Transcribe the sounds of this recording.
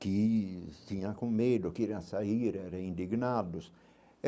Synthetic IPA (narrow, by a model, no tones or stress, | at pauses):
kɪst̪ĩɲɐ̃kõmed̪ʊkiɾɐ̃saiɾɛɾeĩnd̪iɡnad̪ʊs